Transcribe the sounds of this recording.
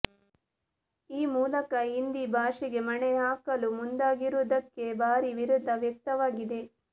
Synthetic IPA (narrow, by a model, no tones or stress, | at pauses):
iːmuːlɐkɐɦind̪ibʱaːʂiɡe̞mɐɳeaːkɐlumund̪aːɡiɾud̪ɐkːe̞bʱaːɾiʋiɾud̪ʱːɐʋjɐk̚t̪ɐʋaːɡid̪e̞